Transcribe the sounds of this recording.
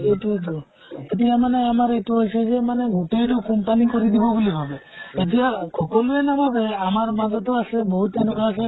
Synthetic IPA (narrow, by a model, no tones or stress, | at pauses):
ejtuejt̬u | etijamaneamaɾejtuɦojsezemaneɡuʈejtɔkɔmpanikɔɾid̪ibɔɡulibʱabeetijakʰɔkɔluenabʱabeamaɹmad͡ʒɔt̪ɔaseboɦut̪ːenukaas̬e